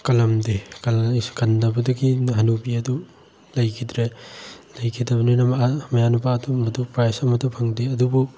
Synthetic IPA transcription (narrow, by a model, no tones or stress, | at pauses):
kɐlɐmdikɐkɐndɐbɐduɡiɦɐnubiɐdu | lɐjkʰidɾelɐjkʰidɐbɐninɐmɐamɐjanupadumɐtupɾajsɐmɐtʰɐpʰɐŋdeɐdubu